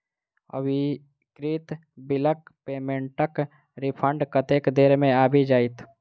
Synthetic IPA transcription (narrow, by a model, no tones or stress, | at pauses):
ə̰ʋi | kɾit̪ | bɪləkpeːmẽɳʈək | ɾipʰə̃ɳɖkət̪eːkd̪eːɾmẽaːbʱid͡ʒaːit̪ʰ